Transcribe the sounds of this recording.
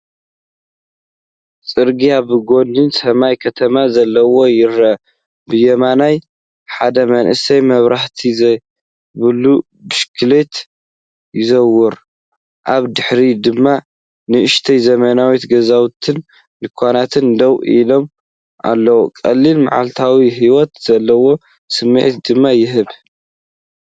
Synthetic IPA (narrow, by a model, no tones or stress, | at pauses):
t͡sʼɨɾɡiabɨɡo̞nd̪ɨnsɐmajkʰɐt̪ʰɐmazɐlːɐwo̞jɪɾɐ | bɨjɛmanaj | ħad̪ɐmɐnʔɨsɐjmɐβɾaħt̪ʰizɐ | bɨlu | bɨʃkʰɨlet̪ | jɪzɐwːɔɾ | ʔaβd̪ɨħɾid̪ɨmːa | nɨʔɨʃt̪ʰɐjzɐmɐnawit̪ɡɐzawt̪ʰɨn | lɨkʰʷːanat̪ʰɨnd̪ɐwilo̞m | ʔa̰lːɐwukʼɐlːilma̰ʕa̰lt̪ʰawiɦiwɔt̪z̥ɐlːɐwo̞ | sɨmːɨ̰ʕt̪d̪ɨmːajɪɦɨβ